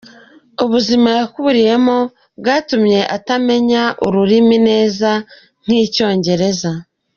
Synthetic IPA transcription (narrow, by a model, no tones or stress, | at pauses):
uβuzimajakuβuɾije̞mo | bɡaːtumɲe̞ʔatame̞ɲaʔuɾuɾimine̞ːza | n̥iːco̞ːɲɟe̞ɾe̞za